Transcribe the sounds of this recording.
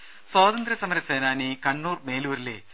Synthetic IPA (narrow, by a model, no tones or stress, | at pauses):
swaːd̪ɐnd̪ɾɐsɐmɐɾɐseːnaːnikɐɳːuːrme̞ːluːɾilḛː